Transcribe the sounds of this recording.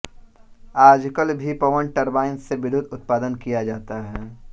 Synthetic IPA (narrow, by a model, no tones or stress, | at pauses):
aːd͡ʒkəlbʱipɐʋəɳʈɐɾbaːɪnseʋɪd̪ʱʊd̪ʊt̪̚paːd̪ənkijad͡ʒaːt̪aɦɛː